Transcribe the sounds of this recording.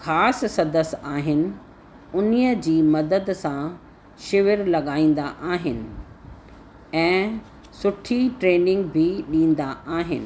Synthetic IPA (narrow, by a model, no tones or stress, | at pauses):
xaːssɐd̪əsaːɦɪnɪ̆ | ʊnijəd͡ʑiːmɐd̪əd̪sã | ʃɪʋɪɾlɐɠaːĩːn̆d̪aʔaːɦɪnɪ̆ | ɛ̃ː | sʊʈʰiʈɾeːnɪ̃ŋɡ̚bʱɪɗĩːnd̪aʔaːɦɪ̰nɪ̆